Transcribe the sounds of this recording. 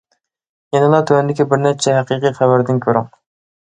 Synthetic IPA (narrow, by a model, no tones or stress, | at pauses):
jɛnɪlˠɑt̪ʰøwɛnd̪ɪkʲibɪɾnɛt͡ʃʰɛɦæqiːqijχævæɾd̪ɪnkʲʰøɾy̰ŋ